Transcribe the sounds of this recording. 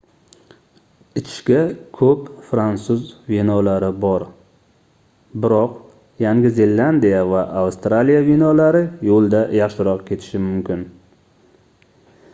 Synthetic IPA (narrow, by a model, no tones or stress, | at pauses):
ɪt͡ʃʰɪ̥ʃkʲakʰɵpfɾant̪sʊzvenɒlaɾɪbɒɾ | bɪɾɒq | jaŋɡʲɪze̞lːand̪ijavaʔawst̪ɾalijavenɒlaɾɪjolˠd̪ajɑχʃɪɾɒqkʲʰe̞t̪ʰɪ̥ʃɪmʊmkʲɪn